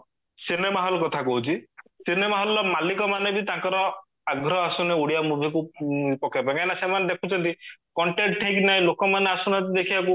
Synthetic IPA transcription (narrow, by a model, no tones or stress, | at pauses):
sinemaɦɔlɔkɔt̪ʰakɔɦut͡ʃʰisinemaɦɔlɔmalikɔmanebit̪ãŋkɔɾɔ | aɡʱɾɔasuneuɽijamubʱikuipɔkapãkajnasemaned̪ekʰut͡ʃʰɔnt̪ikɔɳʈeʈʈʰeknaj̃lokɔmaneasunatid̪ekʰibak̬u